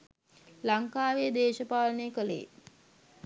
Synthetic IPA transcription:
laŋkaːʋed̪eːʃəpaːləneːkəlḛː

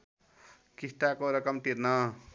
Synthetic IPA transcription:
kisʈakoɾʌkʌmʈiɾnʌ

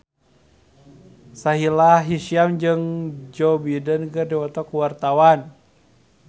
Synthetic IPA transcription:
saɦilaɦisiamd͡ʒɨŋd͡ʒɔbidənkɨrdiwɔt̪ɔkuwart̪awan

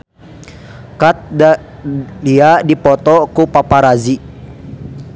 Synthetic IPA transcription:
kat̪̚ | diadipɔt̪ɔkupapaɾazi

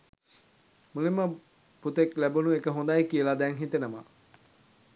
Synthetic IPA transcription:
mulimːə | put̪eklæbunuekəɦõnd̪ajkijəlad̪ɛŋɦit̪enəma̰

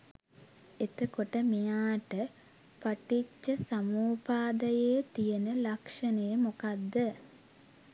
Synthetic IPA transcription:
et̪əkoʈəmijaːʈə | paʈit͡ʃːəsamuːpaːd̪əjeːt̪ijənəlakʂənəjəmokad̪ːə

